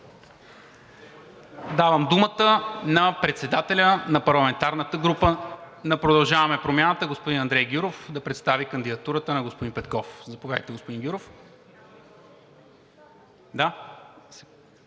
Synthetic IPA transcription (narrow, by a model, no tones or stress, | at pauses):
d̪avəmd̪umət̪ənɐpɾɛt̪sɛd̪at̪ɛlʲənɐpɐɾlˠɐmɛnt̪aɾnət̪əɡɾupə | nɐpɾod̪ɐlˠʒavɐmɛpɾomʲjanət̪əɡospod̪inɐnd̪ɾɛjɡʲjuɾofd̪ɐpɾɛt̪st̪avikɐnd̪id̪ɐt̪uɾət̪ənɐɡospod̪inpɛt̪kɔfzɐpovʲjad̪ə̰jt̪ɛɡospod̪ĩnɡʲjuɾof | d̪a